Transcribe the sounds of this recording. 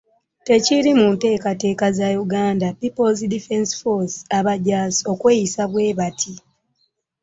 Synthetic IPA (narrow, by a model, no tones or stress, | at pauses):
te̞ciɾimunte̞ːkate̞ːkazajuɡaːndapipolzdifensfosaβaɟaːsio̞kwe̞ːjisaβwe̞ːβatʰi